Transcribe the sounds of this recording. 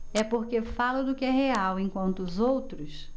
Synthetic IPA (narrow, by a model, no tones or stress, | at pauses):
ɛpoɾkefalʊd̪ʊkɪɛɦeawẽkwɐ̃nt̪ʊzowt̪ɾʊs